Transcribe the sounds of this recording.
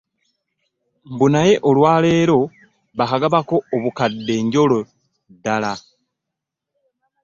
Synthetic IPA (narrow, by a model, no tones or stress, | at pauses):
mbunaje̞ʔolwaːle̞ːɾo̞ | βakaɡaβako̞ːβukadːe̞ːɲɟo̞lo | dːala